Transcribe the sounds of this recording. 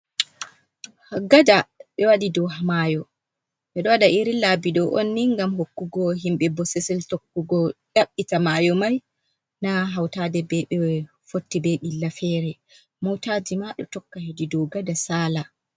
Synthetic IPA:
haɡadaɓɛwaɗidɔwɦamajɔ | ɓɛɗɔwadaʔiɾilabiɗɔʔonːiŋɡamɦokːuɡɔɦimɓɛbɔsɛsɛltokːuɡɔɗaɓːitamajɔmaj | naɦawtadɛbɛɓɛ | fotːibeɓilːafɛɾɛ | mɔwtad͡ʒimaɗɔ̰tɔkːahedidɔɡadasala

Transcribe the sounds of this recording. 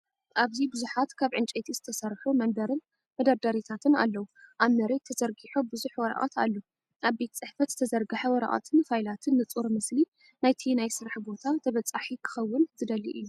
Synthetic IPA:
ʔaβzibɨzuħat̪kʰaβʕɨnt͡ʃʼet̪ʰizɨt̪ʰɐsɐɾħumɐnbɐɾɨn | mɐd̪ɐɾd̪ɐɾit̪ʰat̪ʰɨna̰lːɐwuʔaβmɐɾet̪ʰɐzɐɾɡiħobɨzuħwɔɾɐ̰ʔa̰t̪ʰa̰lːo | ʔaβbe̞t̪t͡sʼɨħfɐt̪z̥ɨt̪ʰɐzɐɾɡɨħawɔɾa̰ʔa̰t̪ʰɨnfajlat̪ʰɨnːɨt͡sʼuɾmɨsli | najt̪ʰinajsɨɾaħbo̞t̪ʰat̪ʰɐβɐt͡sʼaħikʰɨ̥xɐwːʊnzɨd̪ɐlːḭʔɨ̰jːu

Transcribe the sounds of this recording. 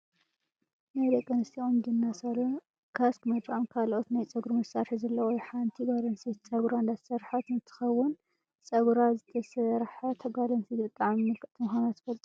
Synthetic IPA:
najd̪ekʼːɐnɨst̪ʰiomdɨnːasɐɾɐ | kʰaskmɐd̪ɾamkʰalot̪najt͡sʼɐɡɾumɐsaɾħizɐlːɐwojħant̪ʰiɡalɐnsit͡sʼɐɡɾaɨnd̪at̪ʰɐ̥sɐɾħat̪nɨt̪ʰɨ̥xɐwːʊn | t͡sʼɐɡɾazɨt̪ʰɐsɐɾħat̪ʰɐɡalɐnsidɨt̪ʼːaʕmimɨkɐt̪ʰɨmuxanat̪zɨ̥fɐlt̪ʼu

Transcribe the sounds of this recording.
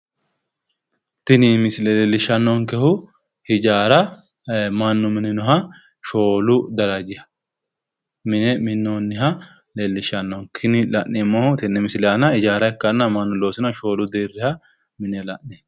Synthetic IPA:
t̪ɪnɪmɪsɪlɛlɛlːɪʃɐnːɔŋkɛhʊ | hɪd͡ʒaːɾɐ | mɐnːʊmɪnɛnɔɦɐ | ʃo̞ːlʊd̪ɐɾɐd͡ʒɪhɐ̥ | mɪnɛmɪnːonːɪɦɐ | lɛlːɪʃɐnːɔnkʰɪnɪlɐʔɛmːɔt̪ɪnːɛmɪslɛɐnɐɪd͡ʒaːɾɐɛkːɐnːɐmɐnːʊlo̞ːsɪnʃo̞ːlʊd̪eːrːɪhɐ | mɪnɛlɐ̰ʔnɛ

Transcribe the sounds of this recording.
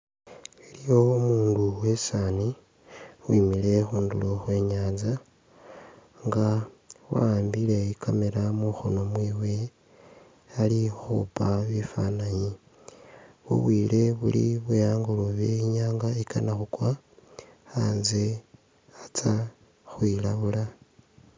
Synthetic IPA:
ilijo̞umuːnduwe̞sani | wimile̞xuːnduloxwe̞ːɲaːnza | ŋɡawa̰ːmbile̞ikʰameɾamuxono̞mwiːwe̞ | alixupaβifa̰naɲi | βṵβwiːle̞βṵlḭβujaːŋɡuloβeiɲaːŋɡaika̰naxukwa | aːnze | at͡sa | xwilaβula

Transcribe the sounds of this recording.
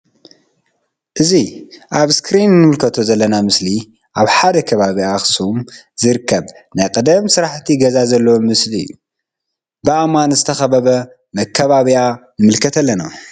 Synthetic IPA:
ʔɨziʔaβskɾinːɨmɨlkʰɐt̪ʰo̞zɐlːɐnamɨsli | ʔaβħad̪ɐkʰɐβaβiaxsum | zɨɾɨkʰːɐβnajkʼɨd̪ɐmsɨɾaħt̪ʰiɡɐzazɐlːɐwomɨsliɨ̰jːu | bɨʔamanzɨt̪ʰɐxɐβɐβɐ | mɐkʰːɐβaβianɨmɨlkʰɐt̪ʰɐlːɐna

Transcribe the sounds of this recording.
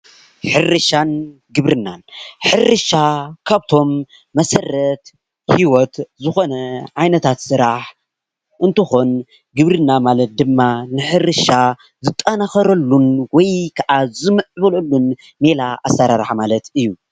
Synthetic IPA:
ħɨrɨʃan | ɡɨβɾɨnːanħɨrɨʃakʰaβt̪ʰo̞mː | ɐsɐrːɐt̪ | hiwot̪zɨxo̞nɐʕajnɐt̪ʰat̪sɨɾaħ | ʔɨnt̪ɨxon | ɡɨβɾɨnːamalɐt̪̚d̪ɨmːanɨħɨrɨʃa | zɨt̪ʼːanaxɐɾɐlːunwɔjkʰɐʔazɨmɨʕβɐlɐlːun | me̞laʔasːɐɾaɾħamalɐt̪ɨjːu

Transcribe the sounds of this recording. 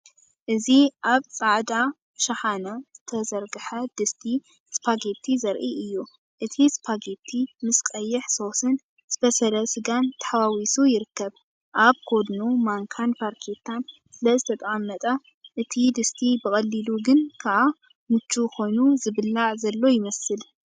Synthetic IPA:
ʔɨziʔaβsʼaʕd̪a | ʃɐħanɐz̥ɨt̪ʰɐzɐɾɡɨħɐd̪̥ɨst̪ʰi | spʰaɡe̞t̪ʰizɐɾʔiɨjːu | ʔɨt̪ʰispʰaɡe̞t̪ʰːimɨskʼɐjːɨħso̞sɨn | z̥ɨtɐsɐlɐsɨɡant̪ʰɐ̥ħawawisujɪɾɨkːɐβ | ʔaβkʰo̞d̪numaŋkʰanfaɾkʰet̪ʰan | sɨlɐzɨt̪ʰɐt̪ʼɐamːɐt̪ʼɐ | ʔɨt̪ʰid̪ɨst̪ʰibɨkʼɐlːiluɡɨnkʰaʔa | mɨt͡ʃːuxo̞jnuzɨβɨlːaʕzɐlːo̞jɪmɐsɨl

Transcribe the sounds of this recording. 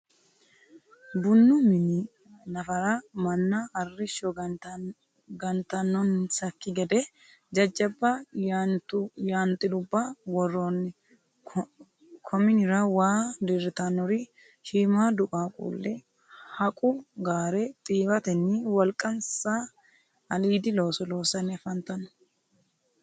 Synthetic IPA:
bʊnːʊmɪnɪ | nɐfɐɾɐmɐnːɐɐrːɪʃɔ | ɡɐnt̪ɐnːɔnsɐkːɪɡɛd̪ɛ | d͡ʒɐd͡ʒːɐbːɐ | jaːnt̪ʼːɪd̪ʊbːɐwɔrːonːɛ | kʰɔmɪnɪɾɐwaːd̪ɪɾɪt̪ɐnɔɾɪ | ʃiːmaːd̪ʊkʼaːkʼṵːlːɛ | hɐkʼʊɡaːɾɛt̪ʼiːbɐt̪ɛnːɪwɐlkʼɐnsa | ɐliːd̪ɪlo̞ːsɔlo̞ːsɐnːɛfɐnt̪ɐnɔ̥

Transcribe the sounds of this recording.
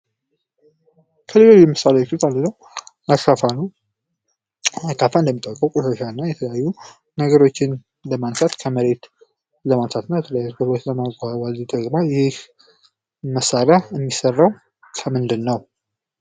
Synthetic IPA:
kʰəlelojɛmɨsalefit̪and̪ɨnəw | aʃafanəw | akːafaɨnd̪əmit̪ʼːəwkʼəwkʼoʃaʃaɨnːajɛt̪ʰələjajːu | nəɡəɾo̞t͡ʃːɪn | ləmansʰat̪kʰəməɾe̞t̪ | ləmansʰat̪nːawjɛt̪ʰələjajut̪bəɡot̪ləmaɡʼawalid̪əɡʼmajɪh | məsaɾjaɨmːisərːaw | kʰəmɨnd̪ɨlnəw

